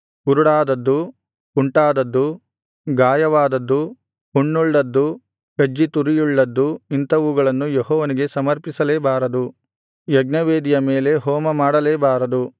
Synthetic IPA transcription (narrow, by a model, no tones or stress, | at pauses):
kuɾuɽaːd̪ɐd̪ːu | uɳʈaːd̪ɐd̪ːu | ɡaːjɐʋaːd̪ɐd̪ːu | uɳːuɭːɐd̪ːu | ɡɐd͡ʒːit̪uɾijuɭːɐd̪ːuint̪ɐʋuuɡɐɭɐnːujeɦɔːʋɐniɡe̞sɐmɐɾpisɐleːbaːɾɐd̪u | jɐɡnɐʋeːd̪ijɐmeːle̞ɦɔːmɐmaːɽɐleːbaːɾɐd̪u